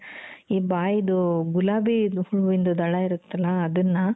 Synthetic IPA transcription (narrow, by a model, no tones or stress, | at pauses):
iːbaːjid̪uɡulaːbihuɭuʋind̪ud̪ɐɭaiɾut̪ːɐlːɐːd̪ɐnːɐ